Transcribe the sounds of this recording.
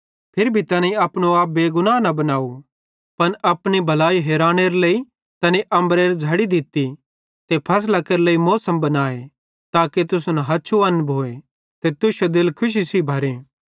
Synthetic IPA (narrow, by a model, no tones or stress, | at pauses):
pʰɪɾbʱit̪ɐnaĩɐpñoaːp̚beːɡʊnanɐbɐnaːu | pɐnɐpnibʱɐlaːiɦɛːɾaːñeɾlei | t̪ɐneʔɐ̃mbɾeɾd͡zʱɐɽid̪ɪt̪ːi | t̪epʰɐs̬lɐkɐɾleimɔːsəmbɐnaːe | t̪aːket̪ʊsunɐɦɐːt͡ʃʰuɐ̃nbʱoːe | t̪et̪ʊʃod̪ɪlkʰʊʃ̬isibʱɐɾeː